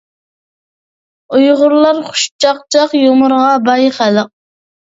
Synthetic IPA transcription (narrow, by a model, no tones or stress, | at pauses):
ujʁʊɾlˠɑɾχʊ̥ʃt͡ʃʰɑqt͡ʃʰɑqjomʊɾʁɑbɑjχæləq̚